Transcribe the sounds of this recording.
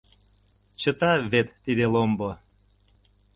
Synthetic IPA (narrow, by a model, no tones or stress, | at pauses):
t͡ɕət̪ɑβet̪ːid̪elombo